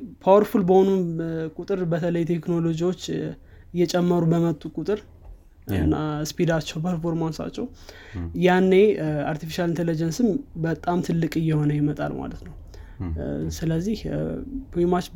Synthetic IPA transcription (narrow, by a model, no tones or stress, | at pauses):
pʰawəɾfulbəho̞nunkʼut̪ʼɨɾbət̪ʰələjt̪ʰe̞kno̞lo̞d͡ʒiwo̞t͡ʃː | ɨjːɛt͡ʃʼɛmːəɾubəmət̪ʼːukʼut̪ʼɨɾ | ɨ̰naspid̪at͡ʃːɛwpʰəɾfo̞ɾmansa̰t͡ʃːɛwjanːe̞aɾt̪ʰifiʃalint̪ʰelid͡ʒɛnsɨmbət̪ʼamt̪ʰɨlːɨkʼɨjːɛho̞nəjɛmət̪ʼa̰lma̰lət̪nəw | sɨləzːihpʰimat͡ʃ